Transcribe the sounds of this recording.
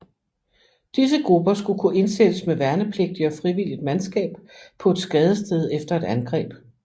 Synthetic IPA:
d̥is̬əɡ̥ʁub̥ɐsɡ̥ukʰuʔe̝nsed̥əsmeʋæɐnəpʰle̝ɡ̥̚d̥iɒ̽fʁiʋil̰id̥mænsɡ̥ɛ̰ːb̥pʰɒ̽e̝d̥sɡ̥ɛːð̞ˠəsd̥eð̞ˠefd̥ɐe̝d̥ænɡ̥ʁɛ̰ːb̥

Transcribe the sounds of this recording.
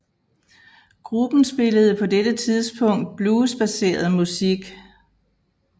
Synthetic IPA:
ɡ̥ʁub̥n̩sb̥e̝ləð̞̩ˠəpʰɒ̽dedət͡sʰið̞ˠsb̥ʰɔ̽ŋ̰d̥̚b̥luːsb̥æse̝̰ːɐð̞̩ˠmusiɡ̥

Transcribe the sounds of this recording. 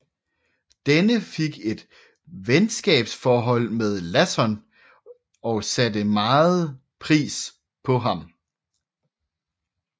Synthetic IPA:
d̥enəfe̝ɡ̥e̝d̥ | ʋensɡ̥ɛ̰ːb̥sfɒːɦɒ̽l̰meðˠlæsɒn | ɒ̽sæd̥əmɑ̈ːð̩ˠ | pʰʁḭːs | pʰɒ̽ɦɑ̈m

